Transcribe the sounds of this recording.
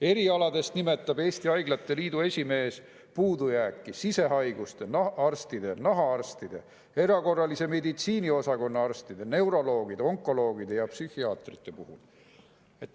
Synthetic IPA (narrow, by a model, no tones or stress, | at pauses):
e̞ɾiɑlɑd̪e̞st̪nime̞t̪ːˑɑbe̞ːst̪iɑjɡlɑt̪ˑːe̞liːd̪ue̞sʲime̞ːs | puːd̪ujæːkːisise̞ɦɑjɡ̥ust̪e̞ɑrst̪id̪̥e̞nɑɦɑɑrst̪id̪̥e̞̰ | e̞ɾɑko̞rːɑlise̞me̞d̪it̪siːnio̞sɑko̞nːɑɑrst̪id̪̥ene̞wɾo̞lo̞ːɡ̥id̪̥o̞ŋkːˑo̞lo̞ːɡ̥id̪jɑpsyhiɑːt̪rit̪ˑːe̞puhul | et̪ːˑ